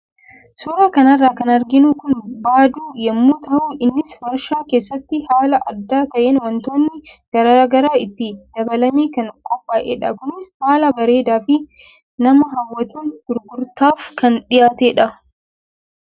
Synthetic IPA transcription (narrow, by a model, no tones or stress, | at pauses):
suːɾaːkɐnɐrːaːkɐnɐɾɡɪnuːkʊnbaːd̪uːjɛmːuːt̪ɐʔuːʔɪnːɪswɐɾʃaːkeːsːɐt̪ːɪhaːlɐʔɐd̪ːaːt̪ɐʔeːnwɔnt̪o̞ːnːɪɡ̥ɐɾaːɡɐɾaːɪt̪ːɪd̪̥ɐbɐlɐmeːkɐŋkʼɔpʼːaːʔeːᶑɐkʊnɪshaːlɐbɐɾe̞ːd̪aːfɪ | nɐmɐɦɐwːɐt̪uːnɡ̥ʊɾɡʊɾt̪aːfkɐnᶑɪjaːt̪eːᶑɐ